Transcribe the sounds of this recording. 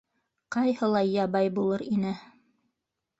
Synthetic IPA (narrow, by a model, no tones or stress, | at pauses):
qɑjhɤ̆lˠɑjɑβɑjbulˠɤɾinɘ